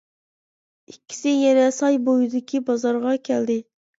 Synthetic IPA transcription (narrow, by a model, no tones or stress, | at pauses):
ikʲːi̥sɪjɛnɛsɑjbojud̪ɪkʲʰibɑzɑɾʁɑkʲʰɛld̪ɪ